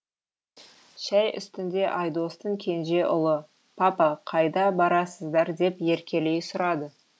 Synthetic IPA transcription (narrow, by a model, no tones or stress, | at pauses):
ʃæjʔʏ̰st̪ɪnd̪e̞ʔɑjd̪o̞st̪əɴkʲʰe̞nʒe̞ʔʊlˠə | pʰɑpɑqʰɑjd̪ɑbɑɾɑsəzd̪ɑɾd̪e̞pje̞ɾkʲe̞le̞jsʊɾɑd̪ə